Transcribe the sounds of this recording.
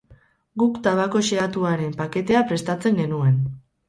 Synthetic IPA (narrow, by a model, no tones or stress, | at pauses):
ɡukt̪aβako̞ʃeat̪uaɾe̞mpake̞t̪e̞apɾe̞st̪at͡se̞ŋɡe̞nue̞n